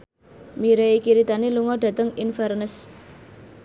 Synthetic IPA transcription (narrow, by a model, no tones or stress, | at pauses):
miɾeikiɾit̪aniluŋɔɖ̥ä̤t̪əŋinfɛrnəs